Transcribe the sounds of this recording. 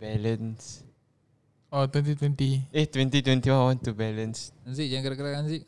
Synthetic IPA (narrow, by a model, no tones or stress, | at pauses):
bɛlə̃ns | ɔt̪wɛ̃nt̪̬it̪wɛ̃nt̪iet̪wɛ̃nt̪it̪wɛ̃nt̪iwãnwãnt̪ubɛlə̃nsans̬iʔd͡ʒãŋkəɾakəɾakans̬iʔ